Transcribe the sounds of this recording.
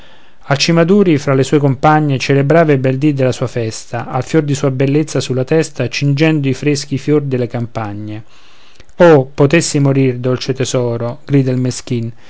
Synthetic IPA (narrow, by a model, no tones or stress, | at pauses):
alt͡ʃimad̪uːɾifɾalesuːekompaɲːet͡ʃelebɾaːvebɛld̪id̪elasuːafɛst̪aalfjord̪isuːabelːet̪sːasulːat̪ɛst̪at͡ʃind͡ʒɛnd̪oifɾesk̟ifjord̪elekampaɲːe | opot̪esːimoɾird̪olt͡ʃet̪ɛzɔːɾoɡ̥ɾiːd̪ailmesk̟in